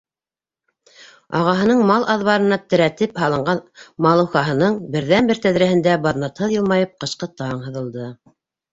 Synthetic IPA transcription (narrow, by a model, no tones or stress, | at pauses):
ɑʁɑɦɤ̆nɤɴmɑlˠʔɑðβɑɾɤ̆nɑt̪ɘ̆ɾæt̪ɘphɑlˠɤ̆ɴɢɑnmɑlˠɤ̆wχɑɦɤ̆nɤɴbɘ̆ɾðænbɘɾt̪æðɾæhɘ̆nd̪æbɑðnɑt̪hɤðjɤ̆lˠmɑjɤp̚qɤ̆ʃqɤt̪ɑɴɦɤ̆ðɤ̆lˠd̪ɤ